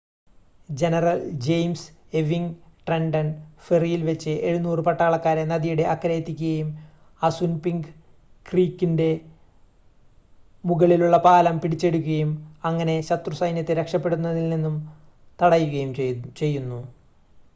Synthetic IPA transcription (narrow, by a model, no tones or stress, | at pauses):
d͡ʑe̞nɐrɐld͡ʑejms | eʋiŋʈrenɖɐnferijilʋet͡ɕːɨʔeɻunuːrɨpɐʈːaːɭɐkːaːɾenɐðijuɽe̞ʔɐkːɐɾeːt̪ːikʲːuɣɐjum | ɐsunpiŋɡɨ | kriːkːinde̞ | muɣɐɭiluɭːɐpaːlɐmpiɽit͡ɕːe̞ɽukʲːuɣɐjumɐŋːɐne̞ɕɐt̪rusɐjnjɐt̪ːeɾekʂɐpːe̞ɽunːɐðilninːum | t̪ɐɽɐjuɣɐjumt͡ɕe̞jːunːu